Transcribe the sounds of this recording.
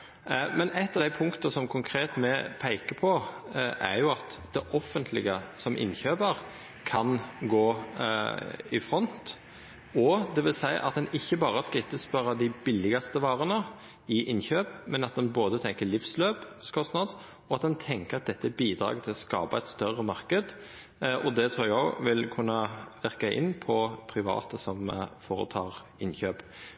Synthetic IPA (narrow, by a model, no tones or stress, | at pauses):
mɛnɛɪt̪ːɑd̪æɪpʰʊŋkt̪əsɔmkʰʊŋkʰɾeːt̪mɛpʰæɪkəpʰɔʔæɾjʊɑt̪d̪ɛʔɔfːənt̪ʰlɪɡəsɔmʔɪ̰nçøːbəɾ | kʰɑnɡoː | ɪfɾɔnt̪ | ɔd̪ɛʋɪlsæɪʔɑ̰t̪̚d̪ɛnɪçːəbɑːɾəskɪɪt̪ːəspœʁɑd̪ɪbɪlːɪɡɑst̪əʋɑːɾənə | ɪʔɪnçøːpmɛnɑt̪̚d̪ɛnboːd̪ət̪ʰɛŋkəlɪfsløːpskʰɔst̪nɑd̪s | ɔɑt̪̚d̪ɛnt̪ʰɛŋkəɾɑt̪̚d̪ɛt̪ːəbiːd̪ɾɑ̰ːɡt̪ʰɪlɔskɑ̰ːpɑɛɪt̪st̪œʁəmɑʁkəd̪ | ʔɔd̪ɛt̪ʰɾuːæʋɪlkʰʉnːəʋæʁkɑʔɪ̰nːpʰɔpʰɾɪʋɑ̰ːt̪əsɔmfoːɾə̰t̪ʰɑːʁ | ɪnçøːp